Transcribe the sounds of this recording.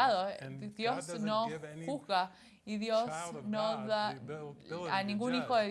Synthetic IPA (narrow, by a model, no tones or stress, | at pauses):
aðoðjosnoxuhɣa | iðjosnoða | anĩŋɡunixoðe